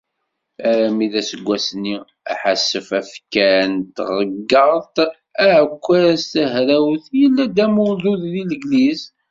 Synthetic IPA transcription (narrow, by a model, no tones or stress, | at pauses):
æɾæmiðæsəɡʷːæsnːi | æ̰ħasːəfæfkænt̪ʁˤəɡːəɾˤt̪ | æʕəkʷːæɾæst̪əɦɾæwθjəlːæd̪æmulðˤuðliləɡliz